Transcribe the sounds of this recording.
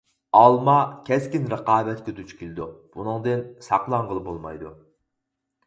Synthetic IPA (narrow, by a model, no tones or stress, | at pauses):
ɑlˠmɑkʲʰɛskʲinɾəqɑːbɛt̪kʲet̪ʰyt͡ʃkʲilɪd̪ub̥unɨŋd̪ɨnsɑqlˠɑŋʁəlˠɨbolˠmɑ̰jd̪u